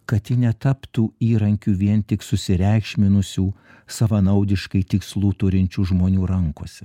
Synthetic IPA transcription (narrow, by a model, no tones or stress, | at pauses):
kɐt̪jɪnʲɛt̪ɑpt̪uːiːɾɐŋʲkʲuːʋʲiɛnt̪ʲɪksʊsʲɪɾʲɛɪkʃʲmʲɪnʊsʲuː | sɐʋɐnɐʊd̪ʲɪʃkɐɪt̪ʲɪkslˠuːt̪ʊɾʲɪnʲt͡ʃʲuːʒmoːnʲuːɾɐŋkoːsʲɛ